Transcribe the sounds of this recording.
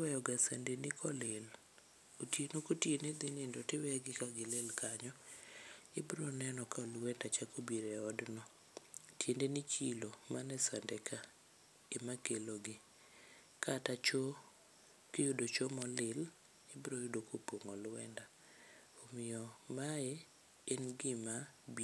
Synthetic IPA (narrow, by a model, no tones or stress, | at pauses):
wɛjɔɡasandenɪkʰɔlɪl | otienokotjenɪd̪ɪnindɔtɪwɛɔɡɪkaɡɪlɪlkaɲɔ | ɪbɾɔnɛnɔkaɔlwɛndat͡ʃakobiɾɛɔdnɔ | tjendenɪt͡ʃilomanɛsandɛkʰa | emakeloɡɪ | kʰatat͡ʃo | kɪjʊdot͡ʃomɔlɪl | ɪbɾojʊdokopoŋɔlwɛ̰nda | omɪjɔmaɛ | enɡɪmab